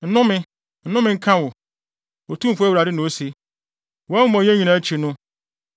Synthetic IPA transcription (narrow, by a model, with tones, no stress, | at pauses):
n̩˦nʊ̃˦mɪ̃˦ | n̩˦nʊ̃˦mɪ̃˦ŋ̩˦kʰã˦wʊ˨ | o˨tʰũ˦m̩˨fʊ˦æ˦wɾa˨dɪ˦nʊ̃˨o˦si˦ | wɛ˦mɔ̃˨ɲ˦ɛ̃˦ɲĩ˨nã˨æ˦t͡ɕʰi˨nʊ̃˦